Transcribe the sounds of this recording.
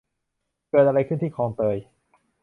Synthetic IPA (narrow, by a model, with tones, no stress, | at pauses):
kɤː˧t̪̚ʔa˧ɾa˧jkʰɯ˥˩nt̪ʰiː˥˩kʰɔː˧ŋt̪ɤː˧j